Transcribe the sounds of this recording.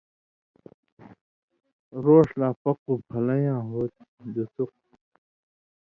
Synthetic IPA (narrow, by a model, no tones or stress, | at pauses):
ɾoːʂlaːpɐqupʰɐlɐjãːɦoːt̪̚d̪ɐsuq̚